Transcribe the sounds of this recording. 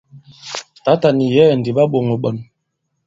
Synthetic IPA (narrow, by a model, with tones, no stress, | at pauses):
ta˨˦ta˨ni˨jɛ˦˨n˨di˨ɓa˦ɓo˨ŋɔ˨ɓə˨n